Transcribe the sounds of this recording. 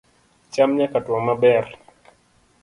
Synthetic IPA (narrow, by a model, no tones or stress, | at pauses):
t͡ʃamɲakatwamabɛr